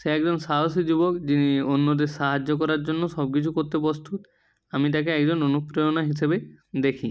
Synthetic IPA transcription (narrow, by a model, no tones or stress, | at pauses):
ʃeɛkd͡ʑonsaɦosid͡ʑubokd͡ʑinionːod̪eɾʃaɦad͡ʑːok̬ɔɾaɾd͡ʑonːoʃɔb̚kit͡ɕʰukoɾt̪epost̪ut̪ | amit̪̬akeɛkd͡ʑononupɾejonaɦisebed̪ekʰi